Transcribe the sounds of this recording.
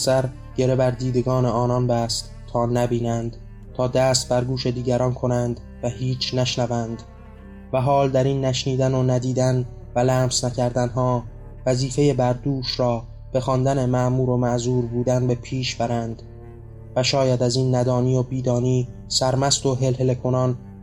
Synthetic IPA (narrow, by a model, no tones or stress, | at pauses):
sæɾ | ɟ̥e̞ɾebæɾd̪iːd̪e̞ɡɒːne̞ɒːnɒnbæst̪ | t̪ʰːɒːnæbiːnænd̪̥ | t̪ʰɒːd̪æːst̪̚bæɾɡuːʃe̞d̪iːɟæɾɒːnkʰo̞nænd̪ | væhiːt͡ʃʰnæʃnævænd̪̥ | væɦɒːld̪æɾinːæʃniːd̪ænonæd̪iːd̪æn | vælæːmsnæcʰæɾd̪ænɦɒː | væziːfe̞je̞bæɾd̪uːʃɾɒː | b̥e̞xɒːnd̪æne̞mæʔmuːɾo̞mæʔzuːɾbuːd̪ænbe̞pʰiːʃbæɾænd̪̥ | væʃɒːjæd̪æziːnːæd̪ɒːniːobiːd̪ɒːniː | sæɾmæst̪o̞ɦe̞lɦelekʰo̞nɒn